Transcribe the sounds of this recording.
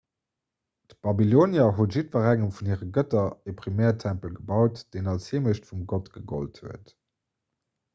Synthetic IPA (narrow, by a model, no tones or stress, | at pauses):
db̥ɑbiloːnjɐɦuətʒ̥itvəʁæŋəmfunhiːʁəɡətɐepʁimɛːɐtʰæmpəlɡəbɑʊtd̥eːnɑlshiːməɕtfumɡɔtɡ̥əɡo̰lthuət